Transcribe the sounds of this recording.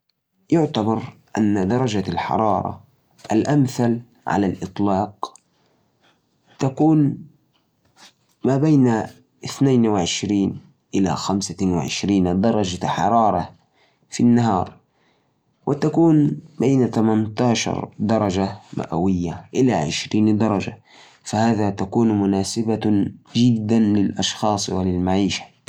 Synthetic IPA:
jʊʕt̪abɑɾˤʔanːad̪ɑɾˤɑd͡ʒalħɑ̰ɾˤɑːɾˤɑ̰ | ʔalʔamθal | ʕa̰lalʔɨt̪ˤlɑːq | t̪akuːn | maːbaːna | ʔɪθnaːnwɪʕɪʃɾiːn | ʔɪla̰xamsawɪʕɪ̰ʃɾiːnd̪ɑɾˤɑd͡ʒaħɑ̰ɾˤɑːɾˤɑ | finːaɦɑːɾˤ | wɪt̪akuːnbeːnat̪amant̪ɑːʃɑ̰ɾˤd̪ɑɾˤɑd͡ʒama̰ʔa̰wɪjːaʔɪlaʕɪʃɾiːnd̪ɑɾˤɑd͡ʒa̰ | fahaːðat̪akuːnmʊnaːsɪbad͡ʒɪd̪ːanlɪlʔɑʃxɑːsˤwɪlɪlmaʕiːʃḁ

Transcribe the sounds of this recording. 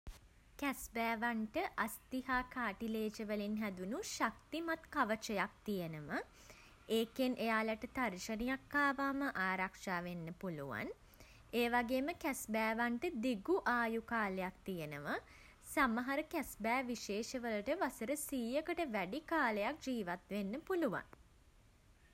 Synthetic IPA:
kæsbæːʋaɳʈəʔast̪iɦaːkaːʈileːd͡ʒəʋəlinɦæd̪unuʃak̚t̪imat̪kaʋət͡ʃəjak̚t̪ijənəmə | eːkenʔejaːlaʈət̪arʃənijakːaːʋaːməʔaːɾakʂaːʋenːəpuluʋa̰n | eːʋaɡeːməkæsbæːʋaɳʈəd̪iɡuʔaːjukaːləjak̚t̪ijənəʋə | saməɦaɾəkæsbæːʋiʃeːʃəʋələʈəʋasəɾəsiːjəkəʈəʋæɖikaːləjak̚d͡ʒiːʋat̪ʋenːəpuluʋa̰n

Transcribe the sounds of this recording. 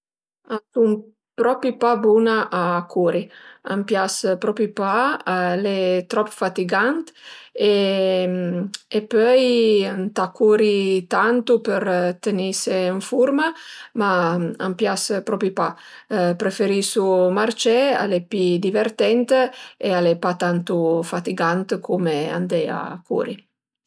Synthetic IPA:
asum | pɾɔpipabunaʔakʰuɾia̰mpjaspɾɔpipalet̪ɾɔpfat̪iɡant̪e | epøjant̪akuɾit̪ant̪upəɾt̪eniseəɱfuɾmamaa̰mpjaspɾɔpipa | pɾefeɾisumart͡ʃɛa̰lepid̪iveɾt̪ɛnt̪ealepat̪ant̪ufat̪iɡant̪kʰumea̰nd̪ɛa̰kṵɾi

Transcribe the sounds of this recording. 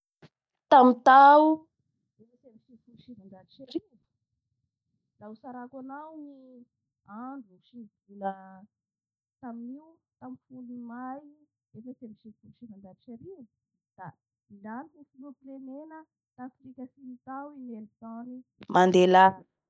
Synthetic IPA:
t̪amit̪au | efasemiʃifulʃinand̪ad̪it͡ʃaɾi | lausaɾakanawni | aɳɖ͡ʐuʃiviɡilə | t̪aminiwt̪amifulimaj | efasemiʃifulʃinand̪ad̪it͡ʃaɾi | d̪̥a | ilanit̪ufulupilemenə | t̪aflikʲasinit̪awimelit̪ãɾi | mand̪ela

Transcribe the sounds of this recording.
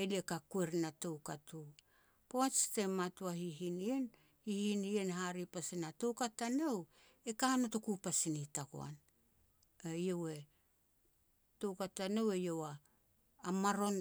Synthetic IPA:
eliekakue̞ɾinatowkatu | poat͡ʃtematuahiɦinien | hihinienɦaɾipasinato̞wkatanow | e̞kanoto̞kupasinitako̰a̰n | aiowe̞ | to̞wkatanowe̞jo̞waː | maɾo̞n

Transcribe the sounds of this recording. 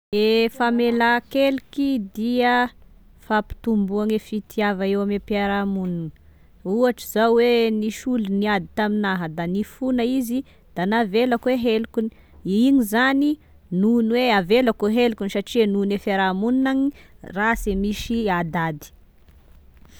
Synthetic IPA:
efamelakelikid̪iə | fapi̥t̪umbuaŋefit̪ʰiavaewamepiaɾamununə | uaʈ͡ʂizawweniʃuliniad̪it̪aminaɦəd̪anifunaizi | d̪̥anavelakweɦelukuni̥ | iŋizani | nunweavelakoɦelukunisaʈ͡ʂianunefeɾamununaŋirasemiʃiad̪ad̪i̥

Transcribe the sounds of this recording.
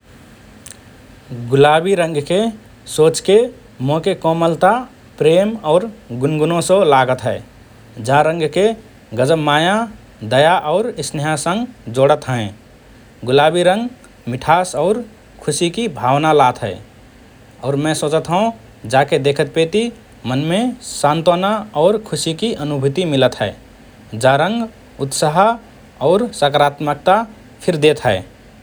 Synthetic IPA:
ɡʊlabiɾə̃ŋɡke | soːt͡ʃke | mõkekɔməlt̪a | pɾeːmɔːɾɡʊnɡunõsə̃laɡət̪ɦɛ | d͡ʒaɾə̃ŋɡke | ɡəd͡ʒəbmaːja | d̪əjaʔɔʊɾɪsneɦãsə̃ŋɡd͡ʒoɽət̪ɦɛ̃ | ɡʊlabiɾə̃ŋɡ | mɪʈʰasɔʊɾ | kʰʊsikibʱawnalat̪ɦəe | ɔːɾmɛ̃soːt͡ʃət̪ɦũ | d͡ʒaked̪ekʰət̪̚pet̪i | mənmesant̪onaɔːɾkʰusikiʔənubʱut̪imilət̪ɦəe | d͡ʒaɾə̃ŋɡ | ut̪səɦ | ɔʊɾsəkəɾat̪mək̚t̪a | pʰɪɾd̪et̪ɦəe

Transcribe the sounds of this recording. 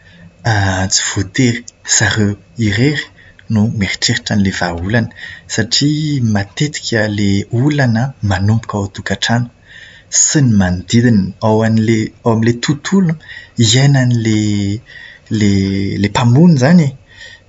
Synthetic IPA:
at͡si̥v̥ot̪eɾi̥z̥aɾeiɾeɾi̥ | numeɾi̥ʈ͡ʂeɾiʈ͡ʂanilevaulanə̥saʈ͡ʂimat̪et̪i̥kʲʰəleulanəmanumpu̥kʲaot̪ukaʈ͡ʂanə̥ | sinimand̪id̪inawanileawamilet̪ʰut̪ʰuluiajnanile | lelepamunizani

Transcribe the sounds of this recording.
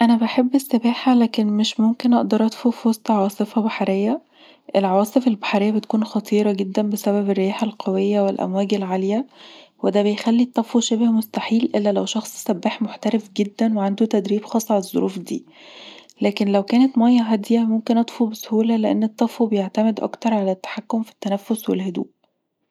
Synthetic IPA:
ʔænæbaħebːesːebæːħælæːkenmeʃmomkenʔɑʔd̪ɑɾˤʔɑt̪ˤfufwɑsˤt̪ˤʕɑwɑːsˤefɑbaħaɾejːæ | ʔelʕawɑːsˤefelbaħaɾejːæbet̪kuːnxɑt̪ˤiːɾˤɑɡed̪ːænbesæβæberːjæːħalqʰɑwejːæwelʔæ̰mwæːɡelʕaljæwed̪æːbejxælːit̪ˤːɑfwuʃæbehmost̪aħiːlʔelːælæwʃɑxsˤsæbːaːħmoħt̪æɾefɡed̪ːænweʕand̪ut̪æd̪ɾiːbxɑːsˤːalezˤːo̰ɾʔṵːfd̪ḭː | læːkenlæwkæːnæt̪mɑjːɑɦæd̪jæmomkenʔɑt̪ˤfubesohuːlæleʔenːet̪ˤːɑfubejeʕt̪æmed̪ʔɑ̰kt̪ɑɾˤʕalæt̪ːḁħakːomfi̥t̪ːænæfːoswḛlhod̪ṵːʔ

